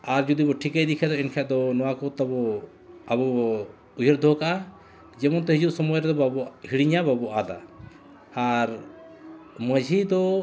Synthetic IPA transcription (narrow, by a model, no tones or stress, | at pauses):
aɾd͡ʒud̪ibɔʈʰikajd̪ikʰɛd̪ɔɛnkʰɛʔd̪ɔnɔwakɔt̪abɔ | abɔbɔ | ujəɾd̪ʱɔkaʔa | d͡ʒɛmɔnt̪ɔɦid͡ʒuʔsɔmɔjɾɛd̪ɔbabɔhiɽiɲababɔʔad̪a̰ | aɾ | məd͡ʒʱid̪ɔ